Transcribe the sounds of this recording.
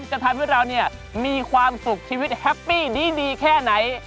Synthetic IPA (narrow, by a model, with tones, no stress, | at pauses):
nt͡ɕa˧˩t̪ʰa˧mɯ˥˩əɾa˧wni˥˩ɐ | miː˧kʰwaː˧msu˨˩k̚t͡ɕʰiː˧wi˦˥t̪̚hɛ˦˥pːiː˥˩diː˧˥˩diː˧kʰɛː˥˩na˩˦j